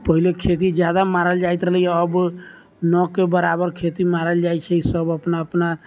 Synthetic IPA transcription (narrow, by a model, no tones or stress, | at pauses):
pəɦilekʰet̪̬id͡ʒjad̪amaɾəld͡ʒajt̪ɾəɦləjaəb | nɔkebəɾabəɾkʰet̪imaɾəld͡ʒajt͡ʃʰɛisəbəpnaəpna